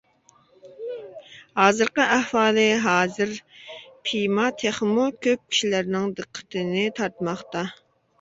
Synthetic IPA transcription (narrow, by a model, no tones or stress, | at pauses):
hɑːzɨɾqəʔæhwɑːlɨɦɑːzɨɾpʰimɑt̪ʰeχmukʲʰøp̚kʲʰi̥ʃilæɾnɪŋd̪əqʰːə̥t̪ʰɨnɪt̪ʰɑɾt̪mɑχt̪ɑ